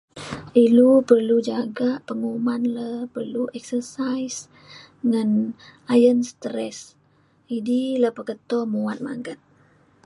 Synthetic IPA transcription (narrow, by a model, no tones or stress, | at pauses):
ʔilupərlud͡ʒaɡaʔpəŋumanləpərluʔɛksərsajs | ŋanajənst̪ɾɛs | idiləpəkət̪ɔmuwat̪̚ma̰ŋɡat̪̚